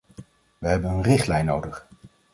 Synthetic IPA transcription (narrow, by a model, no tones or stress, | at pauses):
ʋəɦɛbənənrɪχtlɛjnːowdəχ